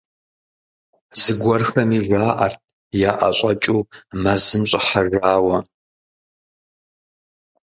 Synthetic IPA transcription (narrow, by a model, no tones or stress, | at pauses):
z̥ɨɡʷɐrxɐmiʒʷaːʔɐ̰rt̚ʰ | jaːʔɐ̰ɕʼɐt͡ʃʼuːmɐzɨmɕʼɪħaʒaːwɐ